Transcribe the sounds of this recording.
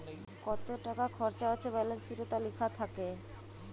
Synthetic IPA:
kɔt̪oʈakakʰɔɾt͡ɕaoːɕʰebɛlensiʈet̪alikʰat̪ʰake

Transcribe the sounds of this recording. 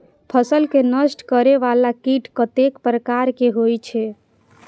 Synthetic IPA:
pʰəsəlkenəsʈkəɾeʋalakiʈkət̪ekpɾəkaɾkeɦojt͡ʃʰɛ

